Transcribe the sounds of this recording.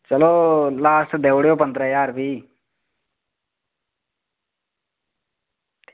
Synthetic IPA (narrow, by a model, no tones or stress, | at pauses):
t͡ʃɐlolaːsʈd̪eːʋɽjoːpə̃nd̪ɾəjaːɾbʱiː